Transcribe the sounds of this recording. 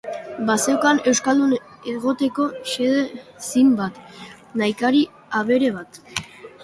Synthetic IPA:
basewkane̞wskald̪un | e̞ɣo̞t̪e̞ko̞se̞ðesimbat̪ | najkaɾi | aβe̞ɾe̞β̞at̪

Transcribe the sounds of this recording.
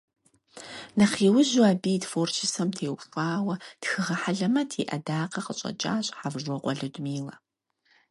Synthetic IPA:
nɐχiːwʊʑaːbiːtfoːrʃʰɪsɐmtʰeːwɕʼaːwɐtxɨʁɐħaɮɐmɐtʰeːʔɐdaːqɐqəɕʼɐ̰t͡ʃʼa̰ːɕʼħavʒɔqʷɔɮɨdmiːlɐ

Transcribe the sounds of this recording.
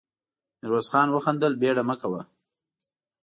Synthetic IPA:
nɪɾwasxɑːnwəxand̪əlbeɽaməkawa̰

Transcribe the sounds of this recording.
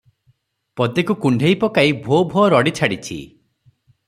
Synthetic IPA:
pɔt̪ekukuɳɖʱejpɔkaibʱobʱoɾɔɽit͡ʃʰaɽit͡ʃʰḭ

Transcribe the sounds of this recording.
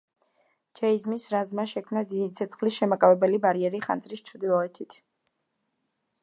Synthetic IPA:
d͡ʒʰɛizmisɾazmaʃɛkʰmnad̪id̪it̪sʰɛt̪sʰχlisʃɛmakʼavɛbɛlibaɾiɛɾiχa̰nzɾist͡ʃʰɾd̪ilˠɔɛt̪ʰit̪ʰ

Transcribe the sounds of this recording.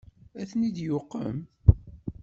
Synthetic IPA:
æθnid̪jʊqːə̰m

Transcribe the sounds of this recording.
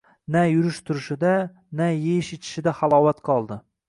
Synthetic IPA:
najʊɾɪʃt̪ʰʊɾɪʃɪd̪a | najejɪʃet͡ʃ̪ʰɪ̥ʃɪd̪aχalˠɒːwat̪qʰɒlˠd̪ɪ

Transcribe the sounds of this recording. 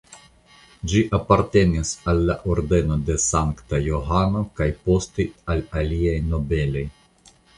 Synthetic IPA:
d͡ʒiʔapaɾt̪e̞nisalːaʔoɾd̪e̞no̞d̪e̞saŋkt̪ajoɦanokajpo̞st̪ialaliajno̞be̞lo̞j

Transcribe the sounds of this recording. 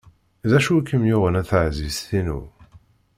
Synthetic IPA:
ðæʃukːəmjʊʁənæθəʕzisθinṵ

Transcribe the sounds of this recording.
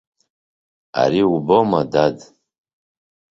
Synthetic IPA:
a̰ɾiubomadad

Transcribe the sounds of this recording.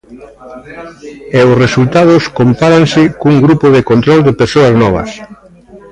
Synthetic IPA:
ɛʊsresult̪að̞ʊskompaɾansɪkuŋɡɾupʊðekont̪ɾɔld̪ɪpeɾsoɐznɔβ̞ɐ̰s

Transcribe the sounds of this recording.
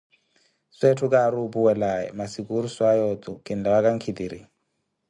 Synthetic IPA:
swetʰʊkʼaɾupʼuwɛlaɛ̰masikʼuɾuswajɔtʼʊkʼɪn̩lawakʼaŋ̩kʰid̪iːɾḭ

